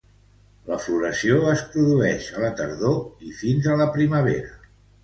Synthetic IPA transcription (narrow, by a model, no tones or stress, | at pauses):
ləfluɾəsioəspɾuðuɛʃələt̪əɾðoifinzələpɾiməβ̞ḛɾə